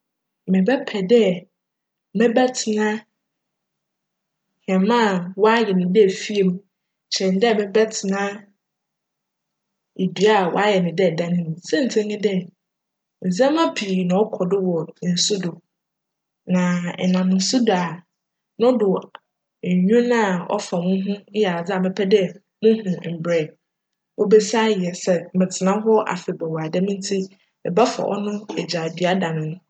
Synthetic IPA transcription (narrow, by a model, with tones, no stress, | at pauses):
mɪ̃˨bɛ˦pʰɛ˨dɛ˦ | mɛ̃˦bɛ˦tʰɪ˨nã˦ | hã˨mã˦˨wɔ˦a˦jɛ˨nɪ̃˨dɪ˦ɛ˨fi˦e˨mũ˦˨ | t͡ɕʰɛ̃˨n˦dɛ˦˨mɛ̃˦bɛ˦tʰɪ˨nã˦ | e˨du˨a˦˨wɔ̰˨a˦jɛ˨nɪ̃˨dɪ˦ɛ˨dã˦nɪ̃˦m̃˨sɛ̃˦n̩˨tʰɛ̃˦ɲɪ̃˦dɛ˦ | n̩˨zɛ̃˦mã˦pʰi˨nã˨ɔ˦kʰɔ˨dɪ˦wɔ˨n̩˨sʊ˦dʊ˨ | nã˨ɛ˨nã˨m˨n̩˨˦sʊ˦dʊ˨a˨ | nʊ̃˦dʊ˨ | ɲ˨ɲᶣũ˦nã˦˨ɔ̰˦fa˨mʊ̃˦ɦʊ̃˦jɛ˨a˨d͡za˨mɛ̃˦pʰɛ˦dɛ˦ | mʊ̃˦ɦʊ̃˨m̩˨bɾɛ˨ | wʔɔ˦bɛ˦sa˦jɛ˨sɛ˨m̩˨mɪ̃˨tʰɪ˨nã˦ɦɔ˦ʔa̰˨fɪ˨bɛ˨wa˨dɛ˦mĩ˦n˦tʰi˦ | ɛ˨ba˦fa̰˨ʔɔ̰˦nʊ̃˦ɛ˨d͡ʑa˨dɥa˦da˨nʊ̃˨nʊ̃˦